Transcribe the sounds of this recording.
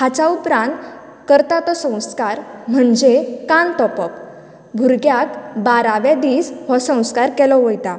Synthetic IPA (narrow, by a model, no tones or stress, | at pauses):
ɦat͡ɕaupɾãnt̪ | kəɾt̪at̪ɔsə̃w̃skaɾm̤əɳd͡ʑekant̪ɔpɔk | ɡʱuɾɡjakbaɾaʋɛd̪iːsʋɔsə̃w̃skaɾkɛlɔʋəjt̪a